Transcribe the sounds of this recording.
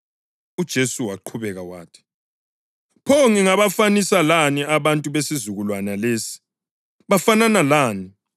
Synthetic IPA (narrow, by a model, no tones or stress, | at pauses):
ud̥ʒ̥ʱesuwaǃʰuβɛɣawa̰ːtʰi̥ | pʰoŋiŋaβafanisalaniaβantʼuβesizuɣulwanaleːsi̥ | βafananalaːni